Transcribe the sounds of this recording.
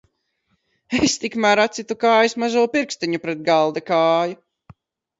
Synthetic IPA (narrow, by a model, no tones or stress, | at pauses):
est̪ikmæɾat̪sit̪ukaːjusmazuːpiɾkst̪iɲupɾɛd̪̚ɡalˠd̪akaːju